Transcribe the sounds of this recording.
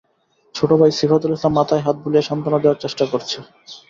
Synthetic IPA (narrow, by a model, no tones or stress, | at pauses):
t͡ɕʰoʈobajsɾifot̪olesamːat̪aeɦat̪̚bulieʃɔnt̪onod̪ewaɾt͡ɕeʃʈakoɾt͡ɕʰe